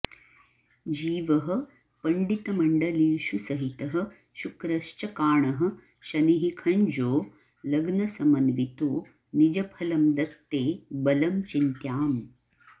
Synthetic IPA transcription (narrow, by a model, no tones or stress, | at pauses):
d͡ʒiːʋɐɦɐ̆ | pɐɳɖit̪ɐmɐɳɖɐliːʃusɐɦit̪ɐɦɐ̆ | ʃukɾɐʃt͡ʃɐkaːɳɐɦɐ̆ | ʃɐniɦikʰɐɲd͡ʒoː | lɐɡnɐsɐmɐnʋit̪oː | nid͡ʒɐpʰɐlɐmd̪ɐt̪ːeːbɐlɐmt͡ʃint̪jaːm